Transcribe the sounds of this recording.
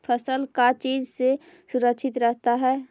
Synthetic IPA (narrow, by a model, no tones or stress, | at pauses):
pʰəsəlkat͡ʃiːd͡ʒse | suɾəkʃʰɪt̪ɾɛɦt̪aɦɛː